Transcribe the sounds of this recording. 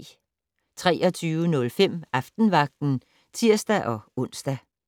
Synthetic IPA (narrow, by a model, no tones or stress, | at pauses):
t͡sʰʁɛ̰ːɒ̽t͡sʰyːʊənɔ̽lfem̰ɑfd̥n̩ʋɑ̈ɡ̥̚d̥n̩ | t͡sʰiɐ̰sd̥æʔɒ̽ɔ̽n̰sd̥æ